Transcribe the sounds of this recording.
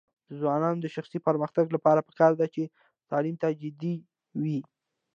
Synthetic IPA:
d̪əzwɑnɑnod̪əʃaxsipəɾməxt̪aɡlapɑɾapə̥kɑɾd̪at͡ʃe | t̪ɑlimt̪ad͡ʒɪd̪i | wi

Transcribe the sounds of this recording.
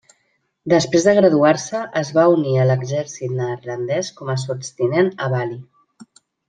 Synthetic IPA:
d̪əspɾezðəɣɾəðuaɾsəʔəzβauniələɡzɛɾsit̪nərlənd̪ɛskɔməsupst̪inenəβali

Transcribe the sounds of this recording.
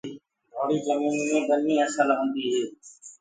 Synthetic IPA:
bʱoːɽiːzəmiːnmẽːbənĩːəsəlɦõːnd̪iːɦeː

